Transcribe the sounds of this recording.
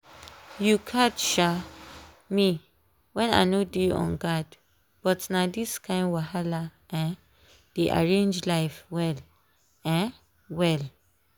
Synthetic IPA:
jukʰatʃa | mi | wɛ̃na̰nodiɔ̰̃nɡad | b̥ɔtnadiskʰãɪ̃nwahalaʔɛ̃n | d̥eʔa̰ɹẽnd͡ʒlaɪfwɛl | ɛ̃n | wɛl

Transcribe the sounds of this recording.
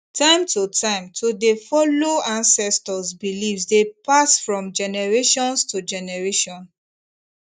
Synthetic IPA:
tʰãɪ̃mtʰutʰãɪ̃mtʰodefɔloãnsɛstɔsbilifsdepasfɹɔ̃md͡ʒɛnɛɹeʃɔ̃nstʰud͡ʒɛnɛɹeʃɔ̃n

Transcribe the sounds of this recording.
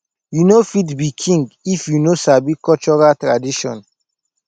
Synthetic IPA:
junofitbikʰĩŋɡifjunosabikɔt͡ʃɔɹatɹadiʃɔ̰̃n

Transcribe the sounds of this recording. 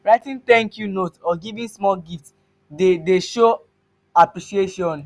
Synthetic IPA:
ɹaɪtĩnt̪ɛ̃ŋkjunotɔɡivĩnsmɔlɡift | dedeʃo | apɹiʃieʃɔ̃n

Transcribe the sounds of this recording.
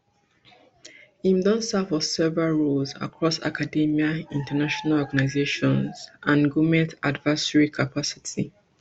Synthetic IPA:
ĩmdɔ̃nsafɔsɛvɹalɹulza̰kʰɹɔsa̰kʰadimiaĩntanaʃɔnalɔɡanaɪzeʃɔ̃nzʔãnɡumɛ̃ntadvasəɹikʰapʰasi̥tʰi

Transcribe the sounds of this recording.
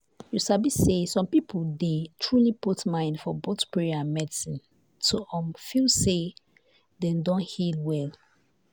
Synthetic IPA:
jusabisesɔ̃mpipʰoldetʰɹuliputmãɪ̃ndfɔbotpɹɛãnmɛdisĩn | tʰoɔ̃mfilse | dɛ̃mdɔ̃nhilwɛl

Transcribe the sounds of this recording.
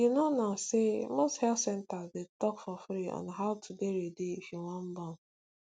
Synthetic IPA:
inɔnasemosthɛltsɛntazdetɔkfɔfɾiɔ̰̃nɦaʊtʰudeɾedeifiŋʷam̩bɔn̩

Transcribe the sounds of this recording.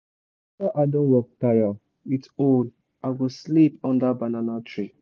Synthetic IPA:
sɔʔadõnwɔk̚taja | iton | aɡoslipɔ̃ndabananatʰɹi

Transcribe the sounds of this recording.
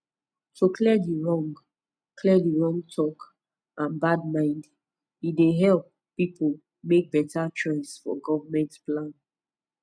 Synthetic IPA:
tʰokʰlɛdiɹɔ̃ŋɡ | kʰlɛdiɹɔ̃ŋtʰɔk | ʔãnbad̚mãɪ̃nd | ideɦɛlpː | ipʰol | mek̚bɛtat͡ʃɔɪsfɔ̰ɡɔvamɛ̃ntplãn

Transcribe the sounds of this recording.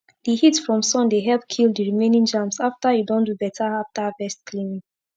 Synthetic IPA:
dihitsfɹɔ̃msɔ̃ndeɦɛlpkʰilˠddiɹimẽnĩŋd͡ʒãmsaftajudõndubɛtʰaaftafɛstkʰlĩmĩŋ

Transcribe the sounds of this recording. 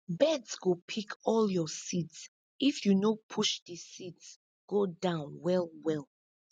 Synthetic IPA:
bɛdsɡopʰikʰɔljɔsids | ifjunopʰuʃdəsids | ɡ̥odãʊ̃nwɛlwɛlˠ

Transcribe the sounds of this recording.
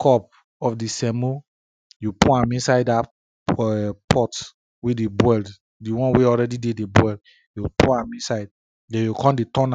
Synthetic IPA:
kʰɔp̚ | ɔfdisɛ̃mo | jupuãmĩnsaɪda | pʰɔt | wedebwɛld | diwɔ̃nweɔɹɛdidedebwɛld | jupuãmĩnsaɪd̚ | dɛ̃jukʰɔ̃ndetɔ̃n

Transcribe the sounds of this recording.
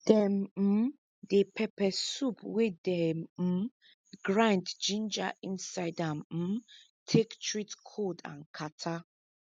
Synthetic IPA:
d̥ɛm̩ | depʰɛpɛsupwedɛm̩ | ɡɹãndd͡ʒĩnd͡ʒa̰ʔĩnsajdam̩ | tʰektʰɹitkʰodã̰nkʰatʰa

